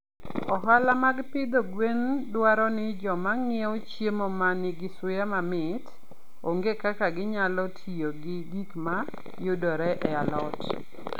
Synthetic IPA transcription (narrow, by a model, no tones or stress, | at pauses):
ɔɦalamaɡpɪd̪ɔɡwendwaɾɔnɪd͡ʒɔmaŋɪɛot͡ʃjemɔmanɪɡɪsʊjamamɪt | oŋɡekakaɡɪɲalɔtʰijoɡɪɡikma | jʊdɔɾɛʔɛalɔt